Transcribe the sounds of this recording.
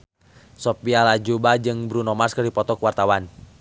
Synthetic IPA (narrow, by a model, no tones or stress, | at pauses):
sɔpialad͡ʒubad͡ʒɨŋbɾunɔmarskɨrdipɔt̪ɔkwart̪awan